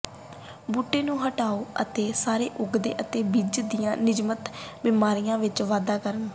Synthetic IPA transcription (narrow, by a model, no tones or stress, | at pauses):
buːʈːeːnũːɦəʈaːoːət̪eːsaːɾḛːʔʊɡd̪ḛːʔət̪eːbiːd͡ʒd̪ijãːnɪd͡ʒmət̪bɪmaːɾijãːʋɪt͡ʃʋaːd̪aːkəɾnː